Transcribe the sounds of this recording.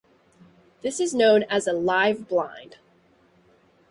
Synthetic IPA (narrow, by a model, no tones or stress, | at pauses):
ðɪsɨznõʊ̃nɨzəlaɪvblã̰ɪ̃nd̥